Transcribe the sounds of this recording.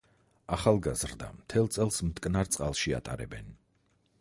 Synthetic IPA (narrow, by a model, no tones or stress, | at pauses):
aχalˠɡazɾd̪a̰mt̪ʰɛlˠt̪sʼɛlˠsmt̪ʼkʼnaɾt̪sʼqʼalˠʃia̰t̪ʼa̰ɾɛ̰bɛn